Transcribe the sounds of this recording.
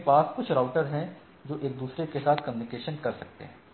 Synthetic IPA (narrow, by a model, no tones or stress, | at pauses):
paːskʊt͡ʃʰɾaʊʈəɾɦɛ̃ | d͡ʒoːʔeːk̚d̪uːsɾekesaːt̪ʰkəmjuːnɪkeːʃənkɐɾsɐk̚t̪ḛɦɛ̃ː